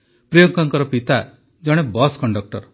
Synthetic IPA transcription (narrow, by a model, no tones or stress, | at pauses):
pɾijɔŋkɔŋkɔɾɔpit̪a | d͡ʒɔɽ̃ebɔskɔɳɖɔk̚ʈɔɾ